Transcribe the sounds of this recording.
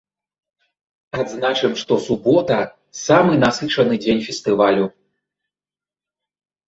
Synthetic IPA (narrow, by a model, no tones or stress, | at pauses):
ad̪znat͡ʂɨmʂt̪ɔsubɔt̪ɐ | samɨnasɨt͡ʂɐnɨd͡zʲenʲfʲɛst̪ɨvalʲu